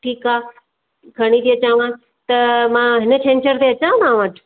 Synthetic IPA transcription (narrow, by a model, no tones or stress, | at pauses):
ʈʰiːkaː | kʰɐɽ̃it̪iɐt͡ɕãʋã | t̪ɐmãːɦɪnət͡ɕʰẽːnt͡ɕəɾt̪eɐt͡ɕãd̪ãʋɐʈʰ